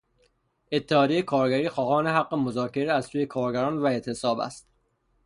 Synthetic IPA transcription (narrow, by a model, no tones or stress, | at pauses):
ʔe̞t̪ʰːehɒːd̪iejekʰɒːɾɡæɾiːxɒːhɒːneɦæɢːemozɒːcʰe̞ɾeæzsuːje̞kʰɒːɾɡæɾɒːnvæe̞t̪ʰe̞sɒːbæ̰st̪